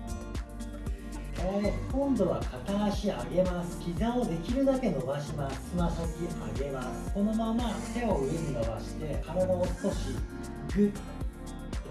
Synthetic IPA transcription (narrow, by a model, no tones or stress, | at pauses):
kaɾad̪okõ̞nd̪o̞βakʰat̪aɕiaɡe̞masɨ̥kʲizaod̪e̞kʲiɾɯ̟d̪ake̞no̞baɕimḁɨmaɕokʲia̰ɡe̞masɨ̥ko̞no̞mamat̪e̞oɯɯ̃nd̪aβa̰ɕi̥t̪e̞kaɾad̪aost̪o̞ɕi | ɡɯ